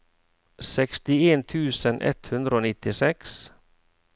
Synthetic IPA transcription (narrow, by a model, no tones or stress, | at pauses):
sɛkst̪ɪeːnt̪ʰʉːsənʔɛ̰t̪hʉnd̪ɾəoːnɪt̪ɪsɛks